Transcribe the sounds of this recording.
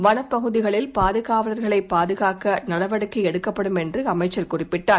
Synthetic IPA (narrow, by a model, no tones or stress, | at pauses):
ʋɐnɐpːɐɣɯðɪɣɐɭɪlpaːðɯɣaːʋɐlɐɾɣɐɭɐɪpːaːðɯɣaːkɐnɐɽɐʋɐɽɯkːɯɛɽɯkːɐpːɐɽɯmɛndrɯɐmɐɪt͡ʃːɐɾkʊrɪpːɪʈːaː